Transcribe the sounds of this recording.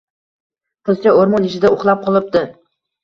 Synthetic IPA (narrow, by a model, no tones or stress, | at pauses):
tʰʊlt͡ʃʲaoɾmɒnɪʃɪd̪aoχlˠap̚qʰɒlˠɪp̚d̪ɪ